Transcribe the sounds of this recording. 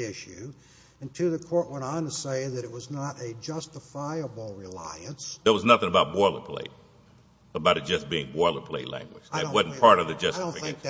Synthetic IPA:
ɪʃʉ | ɨ̃ntʰɨðɨkʰɔɹʔ̚wɛ̃nn̩tɨseɪðɨɾɨt̚wʌznəɾɨd͡ʒʌstəfaɪəbl̩ˠɹɪla̰ɪɨ̃nsðə˞wʌznʌθɪ̃ŋəbaʊt̚b̥ɔɹlˠə̰˞pʰl̥ḛɪ | əbaʊɾɨt̚d̥ʒ̥ʌsb̥iɪ̰̃ŋbɔɹlˠə˞pʰl̥eɪlæ̰̃ŋɡwɨ̥d͡ʒɨ̃wʌdⁿn̩pʰɑɹɾʌvðɨd͡ʒʌsttoɨ̃fɨkeɪ̃ɪʃ

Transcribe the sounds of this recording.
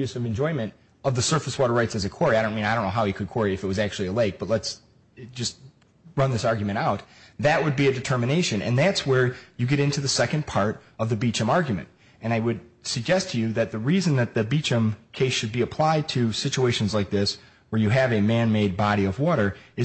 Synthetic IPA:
ʉsʌvɨ̃nd͡ʒɔ̃ɪ̃mɨ̃nt | ʌvðɨsɜ˞fəswɔɾə˞ɹaɪtsɨzɨkʰw̥ɔɹiaɪɾõʊ̃nmĩnaɪɾõnːoʊɦaʊikʰɨd̚kʰw̥ɔɹiɨfɨt̚wʌzæk̚t͡ʃʉl̩ˠiəleɪk̚b̥ʌtˡləts | d͡ʒʌst̚ | ɹʌ̃nðɪsɑɹɡjmɨ̃ɾ̃aʊt̪̚ðɨʔ̚wəd̚biɨdɨtʰɜ˞mɨneɪʃɨ̃nɨ̰̃nðætswə˞jɨɡɛɾɪ̃ntʉðɨsɛkɨ̃npʰɑɹɾ | ʌvðɨbit͡ʃɨ̃mɑɹɡjmɨ̰̃nt | ɨ̃ñaɪwɨd̚sɨɡ̚d͡ʒɛstʰɨjɨðɨt̪̚ðɨɹizɨ̃nðɨt̪̚ðɨbit͡ʃɨ̃mkʰeɪsʃɨd̚biɨpʰl̥aɪd̚tʰɨsɪt͡ʃueɪʃɨ̃n̩zlaɪk̚ðɪs | wə˞jɨɨvɨmæ̃nmeɪd̚bɑɾiʌvwɔɾə˞ɨ

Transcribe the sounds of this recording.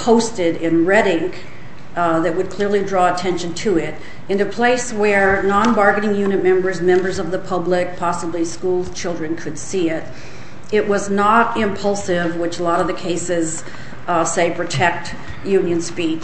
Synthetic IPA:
pʰoʊstɪɾɪ̃nɹɛɾɪ̃ŋ | ðɨt̚wɨd̚kʰl̥ɪɹlidɹɔətʰɛ̃nʃɨ̃n̩tʰɨɪɾ | ɨ̃nɨpʰl̥eɪswə˞nɑ̃nbɑɹɡɨɾɪ̃ŋjʉnɨt̚mɛ̃mbə˞zmɛ̃mbə˞zʌvðəpʰʌblɪk̚pʰɑsəbliskulˠz̥t͡ʃʰɪlˠdɹɨ̃nkʰɨd̥siɪɾ | ɪʔ̚wʌznəɾɪ̃mpʰʌlˠsɪvwɨt͡ʃəlɔɾʌvðɨkʰeɪsɪz̥ | seɪpʰɹ̥ɨtʰɛk̚t | jʉ̃njɨ̃nspit͡ʃ

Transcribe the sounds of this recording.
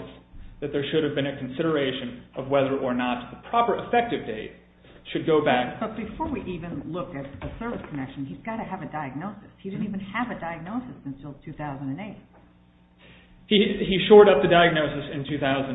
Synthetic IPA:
sðɨt̪̚ðə˞ʃʊɾɨvbɨ̃ñɨkʰn̩sɪɾə˞eɪʃɨ̃nʔʌvwɛðə˞ʔə˞nət̪̚ðəpʰɹ̥ɑpə˞ʔɨfɛk̚tɨvdeɪt̚ | ʃɨd̚ɡoʊbæk̚b̥ʌt̚b̥ɨfɔɹwiʔivɨ̃nlʊkɨt̪̚ðɨsɜ˞vɨskʰɨnɛkʃn̩izɡɑɾɨɨvɨdaɪɨɡ̚noʊsɨshidɪdⁿn̩tivɨ̃nɨvɨdaɪɨɡ̚noʊsɨsɨ̃nsɪlˠtʰʉθaʊzə̃ndɨ̃neɪt̚ | hiiʃɔɹɾʌp̚ðɨdaɪɨɡ̚noʊsɨsɨ̃ntʰʉθaʊzɨ̃n

